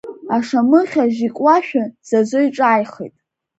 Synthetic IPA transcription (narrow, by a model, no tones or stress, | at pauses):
aʂamɨχʲaʒikʷʼwaʃᶣaz̥azʷojʈ͡ʂʼaːjχḛjtʼ